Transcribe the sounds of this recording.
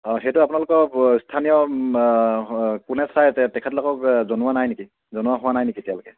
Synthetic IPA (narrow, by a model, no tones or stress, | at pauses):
ɦɛtuapunalʊkɔstʰanijɔ | kunɛsajtɛkʰɛtlɔkɔkzɔnʊwanajneki | zɔnʊwaɦʊwanajnikitijalʊkɛ